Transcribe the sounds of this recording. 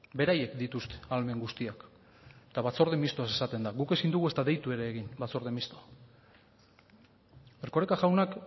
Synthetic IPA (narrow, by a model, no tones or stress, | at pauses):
be̞ɾaje̞kd̪it̪ust̪e̥alme̞ŋɡust̪iak | t̪aβat͡so̞ɾð̞emist̪oasesat̪e̞nd̪aɣuke̞sind̪uɣue̞st̪aðe̞jt̪ue̞ɾe̞ːɣinbat͡so̞ɾðemist̪o̞a | eɾko̞ɾekaʝawnak